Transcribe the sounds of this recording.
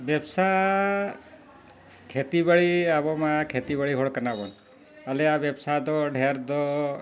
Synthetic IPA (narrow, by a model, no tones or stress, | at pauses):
ʋjəbsa | kʰet̪ibəɭiaʋɔmãkʰet̪ibəɭiɦoɭkənabɔn | əleaʋjəbsad̪ɔɖʱeɾd̪ɔ